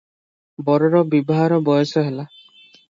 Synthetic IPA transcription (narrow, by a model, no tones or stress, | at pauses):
bɔɾɔɾɔbibɔɦaɾɔbɔjɔsɔɦela